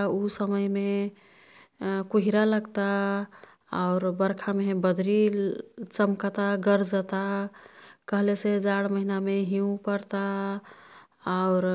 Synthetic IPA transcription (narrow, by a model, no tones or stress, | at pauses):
usəməjme | kuɦiɾaləɡt̪a | a̰ʊɾbəɾkʰamebəd̪ʱɾi | t͡ʃəmkt̪aɡəɾd͡ʒət̪a | kəɦlesed͡ʒaɽməɦinameɦiũpəɾt̪a | aʊɾ